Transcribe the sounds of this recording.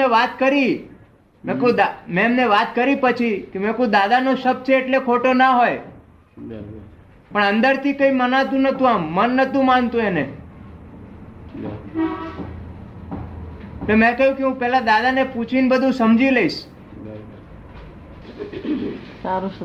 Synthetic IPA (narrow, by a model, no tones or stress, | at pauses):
eʋat̪kəɾi | mẽkũd̪amɛ̃mneʋat̪kəɾipət͡ʃʰikemẽkũd̪ad̪anoʃəp̚t͡ʃʰeːʈlekʰoʈonaɦoj | pəɳənd̪əɾt̪ʰikəimənat̪ũnət̪ũamːənːət̪ũmant̪ũene | emə̃kəjũkeɦũpɛlad̪ad̪aneput͡ʃʰinbəd̪ʱũsəmd͡ʒiləiʃ | saɾu